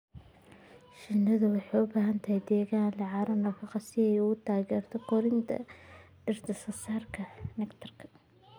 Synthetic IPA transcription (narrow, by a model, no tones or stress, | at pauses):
ʃɪnːɐðʊwɑħɑjʊbaːɦɐnt̪ʰɐhɛjd̪ɛːɣaːnlɑʕɑːɾɐnɐfɑqɑsɪɛjʊʊt̪ʰaːɣɛːrt̪ʰɔkʰɔɾɪnt̪ʰɐ̰ | ɖ̥ɪrd̪ɐsɐsaːrkʰɐnɛkt̪ʰɐrkʰɐ̥